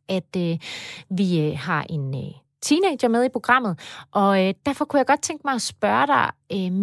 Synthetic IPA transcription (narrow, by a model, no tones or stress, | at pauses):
ʔæd̥øʋihɑ̈ʔe̝n | t͡sʰiːne̥ɐmeð̞ˠipʰo̝ɡ̥ʁɑ̈m̰ð̩ˠʔɒ̽d̥æɐfɒ̽kʰujɑ̈ɪɡ̥ɒ̽d̥̚t͡sʰeŋ̰ɡ̥əmɑ̈ɪɒ̽sb̥ɶːɐɾ̥ɑ̈ɪøm